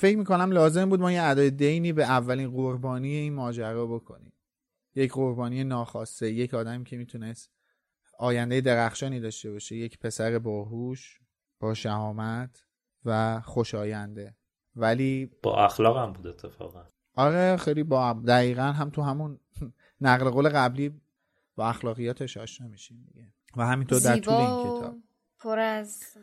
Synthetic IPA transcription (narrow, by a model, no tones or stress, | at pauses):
fe̞cmiːko̞næmlɒːze̞mbud̪mɒːjeæd̪ɒːjed̪e̞jniːbeævːæliːnɢoɾbɒːnije̞iːnmɒːd͡ʒæɾɒːbo̞kʰo̞̰nḭm | jecʰɢo̞ɾbɒːnije̞nɒːxɒːsːeje̞cʰɒːd̪æmicʰe̞miːt̪ʰune̞st̪ | ɒːjænd̪eje̞d̪eɾæxʃɒːniːd̪ɒːʃt̪e̞bɒːʃeje̞cʰpʰe̞sæɾe̞bɒːɦuːʃ | b̥ɒːʃæhɒːmæt̪ʰ | væχoʃɒːjænd̪e̞ | væliːb̥ɒ̰ːʔæxlɒːɣæmbuːd̪et̪ʰːefɒ̰ːɣæn | ʔɒɾexejliːbɒd̪æɣiːɣænɦæmt̪ʰuɦæmunː | æɣle̞ɣoːle̞ɣæbliː | b̥ɒːæxlɒːɣijːɒːt̪ʰeʃɒːʃnɒːmiʃind̪ḭɟe | væɦæmiːnt̪ʰoɾd̪æɾt̪ʰuːeinkʰeɒː | pʰoɾæz